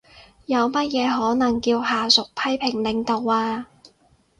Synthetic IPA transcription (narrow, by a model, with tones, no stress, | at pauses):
jɐ˨˧wmɐ˥t̚jɛː˨˧ɦɔː˨˥nɐ˨˩ŋkiː˧whaː˨sʊ˨k̚pʰɐ˥jpʰɪ˨˩ŋlɪ˨˧ŋt̪o˨waː˧